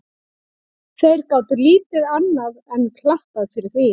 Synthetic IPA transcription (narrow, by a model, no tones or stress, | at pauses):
θejɾkaːwt̪ʏɾliːt̪ɪðanːaðɛnkʰlaht̪aðfɪɾɪɾ̥θi